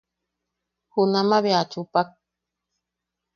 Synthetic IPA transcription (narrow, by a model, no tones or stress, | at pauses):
hunamaβeat͡ʃupak̚